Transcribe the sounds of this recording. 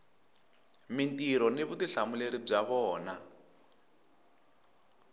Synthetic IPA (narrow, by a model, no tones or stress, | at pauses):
mintiɾɔneβudiɬamuleɾib͡ʐaβɔːna